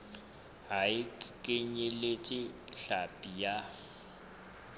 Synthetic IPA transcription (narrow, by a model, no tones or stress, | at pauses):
ɦaɪkʼɪɲɛlet͡ʃʼɪɬapʼija